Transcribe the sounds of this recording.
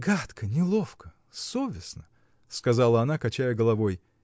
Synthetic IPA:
ɡat̪kənʲɪlˠofkə | sovʲɪsnə | skɐzɑlˠəɐnakɐt͡ɕæjəɡəlˠɐvo̞j

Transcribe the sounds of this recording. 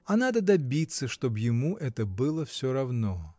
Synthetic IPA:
ɐnad̪əd̪abʲit̪sːəʂt̪objɪmuʔɛt̪əbɨlˠəfsʲoɾavno

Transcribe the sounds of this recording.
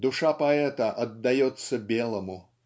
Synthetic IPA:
d̪ʊʂapɐɛt̪əʔɐd̪ːɐjot̪səbʲelˠəmʊ

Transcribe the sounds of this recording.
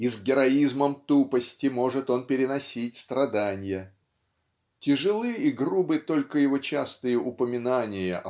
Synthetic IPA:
izɡʲɪɾɐizməmt̪upəsʲtʲɪmo̞ʐɨt̪o̞npʲɪɾʲɪnɐsʲitʲst̪ɾɐd̪anʲɪjə | tʲɪʐɨlˠɨiɡrubɨt̪o̞lʲkəjɪvo̞t͡ɕast̪ɨjəʔʊpəmʲɪnanʲɪjəʔɐ

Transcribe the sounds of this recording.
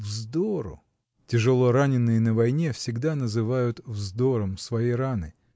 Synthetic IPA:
vzd̪oɾʊ̰ | tʲɪʐɨlˠo̞ɾanʲɪnːɨjənəvɐjnʲe̞fsʲɪɡd̪anəzɨvajʊt̪vzd̪o̞ɾəmsvɐjijɾanɨ̰

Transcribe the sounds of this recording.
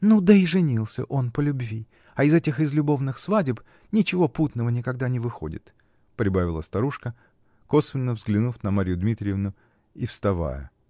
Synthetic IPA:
nud̪əɪʐɨnʲilˠsʲə̰ʔo̞npəlʲʊbvʲi | ɐɪzɛtʲɪxɪzlʲʊbo̞vnɨxsvadʲɪp | nʲɪt͡ɕɪvo̞put̪nəvənʲɪkɐɡd̪anʲɪvɨxo̞̰dʲɪ̰t̪ | pɾʲɪbavʲɪlˠəst̪ɐɾuʂkə | ko̞svʲɪnːəvzɡlʲɪnufnɐmaɾʲjʊd̪mʲit̪ɾʲɪjɪvnʊ | ifst̪ɐva̰jə̰

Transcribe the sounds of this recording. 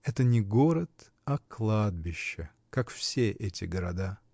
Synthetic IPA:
ɛt̪ənʲɪɡoɾət̪ | aklˠad̪̚bʲɪɕːɪ | kakfsʲeʔɛtʲɪɡəɾɐd̪a

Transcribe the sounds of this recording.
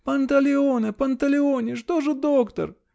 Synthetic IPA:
pɐnt̪ɐlʲɪonɨpɐnt̪ɐlʲɪonʲɪʂt̪oʐɨd̪okt̪ɐ̰r

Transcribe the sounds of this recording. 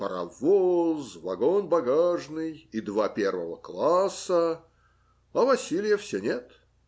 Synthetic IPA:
pəɾɐ̰vozvɐɡonbɐɡaʐnɨjid̪vapʲervəvəklˠasːə | ɐvɐsʲilʲɪjəfsʲenʲet̪

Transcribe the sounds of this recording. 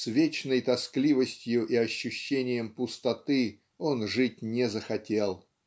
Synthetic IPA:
svʲet͡ɕnəjt̪ɐsklʲivəsʲtʲjʊʔiɐɕːʊɕːenʲɪjəmpʊst̪ɐt̪ɨ | o̞nʐɨt̚ʲnʲɪzəxɐtʲe̞lˠ

